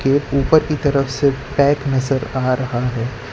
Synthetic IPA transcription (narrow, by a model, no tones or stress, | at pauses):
keːuːpəɾkit̪ɐɾəfsepɛ̃ːknɐzəɾaːɾɐɦaɦɛː